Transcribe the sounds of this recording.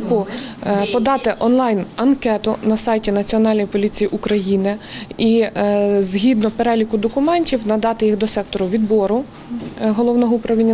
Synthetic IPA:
kʊpɔd̪ɑt̪ɪʔɔnlˠɑjnɐnkɛt̪ʊnɐsɑjtʲinɐt͡sʲiɔnɑlʲnɔjpɔlʲit͡sʲijiʔukɾɐjinɪi | zɦʲid̪nɔpeɾɛlʲikʊd̪ɔkʊmɛnʲtʲiwnɐd̪ɑt̪ɪjixd̪ɔsɛk̚t̪ɔɾʊʋʲid̪bɔɾʊ | ɦɔlˠɔwnɔɦupɾɐʋʲi

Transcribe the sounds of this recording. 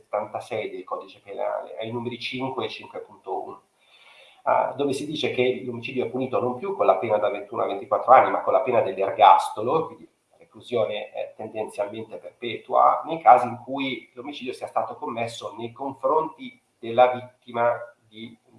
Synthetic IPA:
et̪ːant̪asɛjd̪ejkɔːd̪it͡ʃepena̰ːlḛa̰jnuːmeɾit͡ʃiŋkwet͡ʃiŋkwepunt̪oṵːno | d̪oːvesid̪iːt͡ʃekelomit͡ʃiːd̪joɛpːuniːt̪onompjukːonlapeːnad̪avent̪uːnoa̰vːent̪ikwat̪ːɾoanːimakːolapeːnad̪elːerɡast̪olokwind̪i | ɾefluzjoːneɛ̰t̪ːend̪ent̪sjalment̪eperpɛːt̪ua̰nejkaːziːŋkujlomit͡ʃiːd̪josiast̪aːt̪okomːesːonejkoɱfɾont̪i | d̪̥elːavit̪ːimad̪i

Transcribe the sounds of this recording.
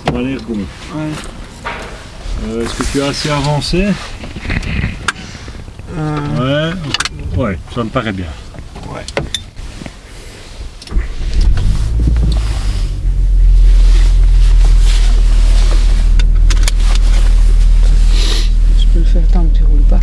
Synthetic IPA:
sɔ̃nalɛʁɡo | wɛ | øɛskət̪yaːseavɑ̃se | wɛ | wɛsaməpaʁɛbjɛ̃ | wɛ | ɛ | təpøləfɛʁt̪ɑ̃t̪iʁupa

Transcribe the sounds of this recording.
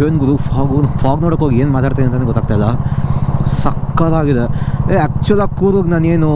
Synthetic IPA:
eːnɡuɾupʰaːɡupʰaːɡnoːɽɐkːɦoːɡieːnmaːt̪aːɽt̪aneɐnt̪ɐneɡɔt̪ːaːɡ̚t̪ajlːɐ | sɐkːɐlaːɡid̪eeaːk̚t͡ʃuʋɐlaːkːuːɾoɡnaːneːnu

